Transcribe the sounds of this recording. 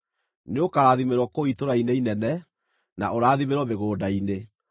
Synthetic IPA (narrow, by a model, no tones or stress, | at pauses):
neokaɾaːðimeɾwɔkoitoɾaineinɛnɛ | na̰ʔoɾaːðimeɾwɔmeɣoːdaine